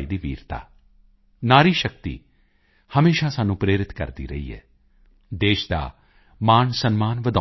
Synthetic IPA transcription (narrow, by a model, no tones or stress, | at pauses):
iːd̪iːʋḭːɾt̪a̰ː | naːɾiːʃəkt̪ḭː | həmeːʃaːsaːnũːpɾeːɾɪt̪kə̰ɾd̪ḭːɾə̰ḭːɦɛ̰ː | d̪eːʃd̪a̰ː | maːnsənmaːnʋəd̪a